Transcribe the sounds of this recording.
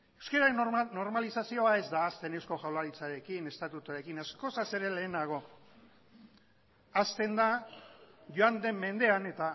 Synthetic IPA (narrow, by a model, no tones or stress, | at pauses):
e̞wske̞ɾaeno̞ɾmalisasio̞ae̞zd̪aːst̪e̞ne̞wsko̞ʝawlaɾit͡saɾe̞kine̞st̪at̪ut̪uaɾe̞kinasko̞sase̞ɾe̞le̞ːnaɣ̞o̞ | ast̪e̞nd̪a | ʝoand̪e̞mːe̞nd̪e̞ane̞t̪a